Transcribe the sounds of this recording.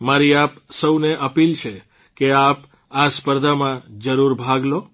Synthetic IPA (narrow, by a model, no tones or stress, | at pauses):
maɾiapsəwneʔəpilt͡ʃʰe | keap | aspəɾd̪ʱamãd͡ʒəɾuɾbʱaɡlo